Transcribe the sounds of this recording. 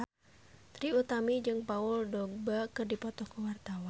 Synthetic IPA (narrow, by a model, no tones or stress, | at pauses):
t̪ɾiut̪amid͡ʒɨŋpauldɔɡ̚bakɨrdipɔt̪ɔkuwart̪awa